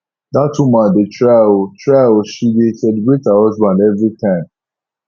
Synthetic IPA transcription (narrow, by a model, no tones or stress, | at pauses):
datwũmãdetʰɹaɪltʰɹaɪlʃidesɛlebɹethahɔzbãndɛvɹitʰãɪ̃m